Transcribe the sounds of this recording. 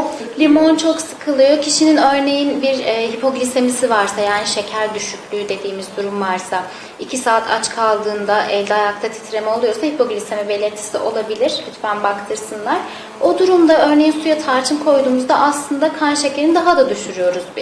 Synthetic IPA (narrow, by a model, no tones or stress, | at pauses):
lʲimo̞nt͡ʃʰo̞ksɯ̥kʰɯlˠɯjo̞cʰiʃininø̞ɾne̞jinbiɾɛːɦipʰo̞ɡlʲise̞misivaɾsajaːniʃe̞cʰæɾd̪yʃycʰʲlʲyːd̪e̞d̪iːmizd̪uɾumvaɾsa | icʰisaːt̪ʰa̰t͡ʃkʰalˠd̪ɯːnd̪aʔɛlʲd̪ɛajak̚t̪ʰat̪ʰi̥t̪ɾe̞mɛo̞lˠujo̞ɾsahipʰo̞ɡlʲise̞mibe̞lʲeɾt̪ʰːi̥siʔo̞lˠabilʲiɾhyt̪bænbakt̪ʰɯɾsɯnlˠaɾ̥ | o̞d̪uɾumd̪aø̞ɾne̞jinsujat̪ʰaɾt͡ʃʰɯmkʰo̞jd̪uːmuzd̪aʔaslˠɯnd̪akʰanʃe̞cʰe̞ɾind̪aɦad̪ad̪yʃyɾyjo̞ɾuzbi